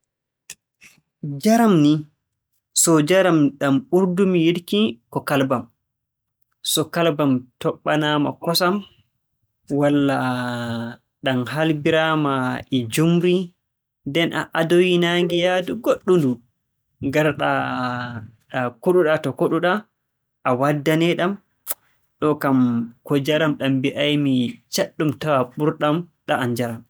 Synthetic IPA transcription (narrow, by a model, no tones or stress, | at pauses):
d͡ʒaɾamni | sɔd͡ʒaɾamɗamɓuɾdumijidkikɔkalbam | sɔkalbamtɔɓːanama̰kɔsam | walːa | ɗamɦalbiɾamaʔɛd͡ʒumɾi | dɛnʔa̰ʔadojinaŋɡijaduɡoɗːundu | ŋɡaɾɗa | ɗakoɗuɗatɔkoɗuɗa | ʔawadːanɛɗam | ɗɔkamkɔd͡ʒaɾamɗambiʔajmit͡ʃaɗːumtawaɓuɾɗamɗaaɲd͡ʒaɾam